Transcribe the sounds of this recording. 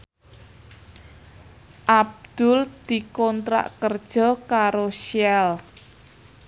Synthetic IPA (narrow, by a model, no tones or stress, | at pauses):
ʔab̚d̪̥ʊld̪̥i̤kɔnt̪ɾa̰ʔkərd̥ʒ̥ɔ̤kaɾoʃiɛl